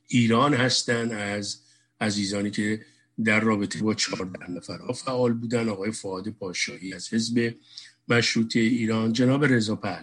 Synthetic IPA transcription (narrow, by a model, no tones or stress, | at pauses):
ʔiːɾɒːnhæst̪ænd̪æz | æziːzɒːniːcʰe̞ | d̪æɾrɒːbet̪ʰebɒːt͡ʃʰɒːɾd̪æhnæfæɾhɒːfæʔɒːlbuːd̪ænd̪ɒːɣɒːje̞foɒːd̪e̞pʰɒːʃɒːhiːæz̥he̞zbe̞mæʃɾuːt̪ʰe̞iːɾɒːnd͡ʒenɒːbe̞ɾe̞zɒːpʰæl